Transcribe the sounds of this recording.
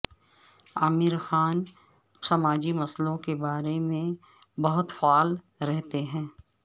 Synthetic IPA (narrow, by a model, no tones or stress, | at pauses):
aːmɪɾxaːn | sɐmaːd͡ʒimɐslõkebaːɾemẽ | bɐɦʊt̪faɔːl | ɾɛɦt̪eɦɛ̃ː